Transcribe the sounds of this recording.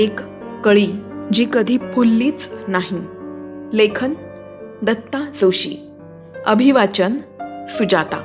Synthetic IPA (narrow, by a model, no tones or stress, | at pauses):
ekː | əɭiːd͡ʑiːkəd̪ʱiːpʰulːiːt͡snaɦi | lekʰən | d̪ət̪ːad͡zəwɕḭː | əbʱiʋat͡ɕənsud͡ʑat̪a̰